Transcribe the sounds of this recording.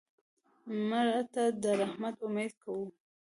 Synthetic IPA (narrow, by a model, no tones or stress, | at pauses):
maɾat̪ad̪əɾahmat̪ʊmed̪kawu